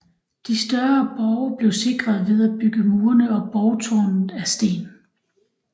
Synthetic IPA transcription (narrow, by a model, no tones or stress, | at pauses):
d̥isd̥ɶɐb̥ɒʊb̥le̝ʊse̝ɡ̥ʁɐðˠʋe̝ðˠæb̥yɡ̥əmuːɐnəɒ̽b̥ɒʊt͡sʰɒ̰nn̩æsd̥e̝̰ːn